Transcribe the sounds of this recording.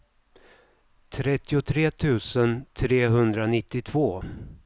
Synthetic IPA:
t̪ʰɾɛt̪ːɪʊt̪ʰɾeːt̪ʰʉ̟ːsənt̪ʰɾeːɦɵnd̪ɾanɪt̪ːɪt̪ʰv̥oː

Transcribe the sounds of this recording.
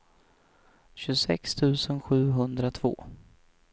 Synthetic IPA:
ɕɵsɛ̰kst̪ʰʉ̟ːsənɧʉ̟ːɦɵnd̪ɾat̪ʰv̥o̰ː

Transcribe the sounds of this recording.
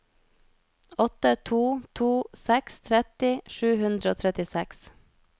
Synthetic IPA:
ɔt̪ət̪ʰuːt̪ʰuːsɛkst̪ʰɾɛt̪ɪʃʉːhʉnd̪ɾəoːt̪ʰɾɛt̪ɪsɛks

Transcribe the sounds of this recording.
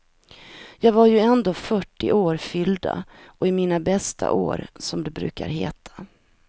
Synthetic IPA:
jɑːɡvaɾjɵɛnd̪oːfœʈːɪʔoːɾfʏld̪a̰ʔɔɪmiːnabɛst̪ʰa̰ʔo̰ːɾsɔmd̪ɛbɾʉ̟ːka̰ɾɦeːt̪ʰḁ

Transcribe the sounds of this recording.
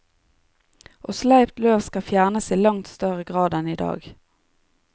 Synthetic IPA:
ʔoːslæʏpt̪løːʋskɑfjæːʁnəsiːlɑŋt̪st̪œʁəɡʁɑːd̪əniːd̪ɑ̰ːɡ

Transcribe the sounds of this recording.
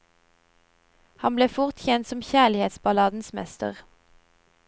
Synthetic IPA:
hɑmbleːfʊʁt̪çɛnt̪sɔmçæːlɪheːt̪sbɑlɑːd̪n̩smɛ̰st̪ə̰ʁ

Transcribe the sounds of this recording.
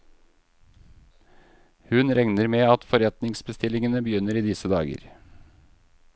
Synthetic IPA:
hʉnɾɛŋnəɾmeːɑt̪fɔɾɛt̪nɪŋsbəst̪ɪlɪŋənəbəjʏnəɾiːd̪ɪsəd̪ɑːɡə̰ɾ

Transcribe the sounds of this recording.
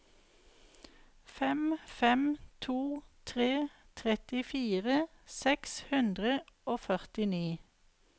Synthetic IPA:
fɛmfɛmt̪ʰuːt̪ʰʁeː | t̪ʰʁɛt̪ɪfiːʁə | sɛkshʉnd̪ʁəoːfœʁt̪ɪniː

